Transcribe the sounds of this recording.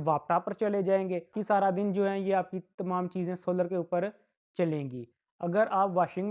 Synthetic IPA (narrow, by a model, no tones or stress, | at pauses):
ʋaːpʈaːpəɾt͡ʃəled͡ʒaːẽːŋɡeːkisaːɾaːd̪ɪnd͡ʒoːɦɛːjeːaːp̚kit̪əmaːmt͡ʃiːzẽːsoːləɾkeʊːpəɾ | t͡ʃəlẽːŋɡiː | əɡəɾaːpʋaːʃɪ̃ŋɡ